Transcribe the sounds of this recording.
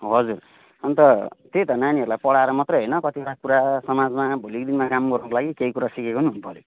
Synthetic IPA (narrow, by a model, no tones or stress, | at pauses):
oɦʌd͡zur | ʌnt̪ʌt̪et̪ʌnaniʌɾulajpʌɽaeɾʌmʌt̪rʌjɦʌjnʌkʌt̪ioʈakuɾasʌmad͡zmabʱulik̚d̪inmakamɡʌɾunʌkolaɡikeikuɾasikekonuɦunupʌle